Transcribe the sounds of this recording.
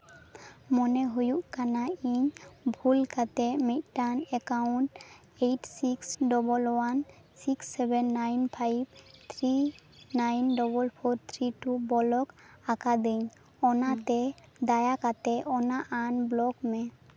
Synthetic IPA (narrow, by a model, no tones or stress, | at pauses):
mɔnɛɦujuʔkanaiɲbʱulkat̪ɛmit̪̚ˀʈanɛkawɳʈ | ejʈsiksɖɔbɔlwan | siksːɛbɛnːajnpʰajb̚t̪ʰɾinajnɖɔbɔlpʰɔɾt̪ʰɾiʈubɔlɔk | akad̪eɲ | ɔnat̪ɛd̪ajakat̪ɛʔɔnaʔanblɔkmɛ